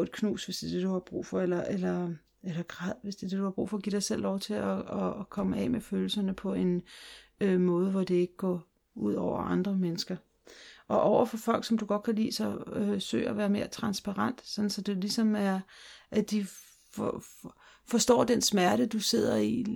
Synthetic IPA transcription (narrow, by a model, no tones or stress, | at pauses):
ed̥kʰnṵːsʋe̝sd̥e̝ɐd̥e̝d̥uhɑ̈b̥ʁṵːfɒ̽elɐʔelɐ | elɐɡ̥ʁað̰ˠʋe̝sd̥e̝ɐd̥e̝d̥uhɑ̈b̥ʁṵːfɒ̽ɡ̥ḭd̥ɑ̈ɪsel̰lɒʊt͡sʰe̝ɒɒkʰɒ̽məɛ̰ːmeføːl̩sɐnəpʰɒ̽e̝n | ømɔ̽ːð̞ˠəʋɒd̥e̝e̝ɡ̥əɡ̥ɒ̰ː | uð̞̰ˠɒʊ̰ɐ̰ʔɑ̈nd̥ʁɐmenəsɡ̥ɐ | ʔɒ̽ʔɒʊ̰ɐfɒ̽fɒ̽l̰ɡ̥sɒ̽md̥uɡ̥ɒ̽d̥̚kʰælḭːsɒ̽øsø̰ɪ̰ɐɒʋæːɐme̝ːɐt͡sʰʁɑ̈nsb̥ɑ̈ʁɑn̰d̥sɒ̽n̥n̩sɒ̽d̥elisɒ̽mæɐʔæd̥i | f | fɒ̽sd̥ɒ̰ːd̥ensmæɐɾ̥əd̥use̝ð̞̰ˠɐi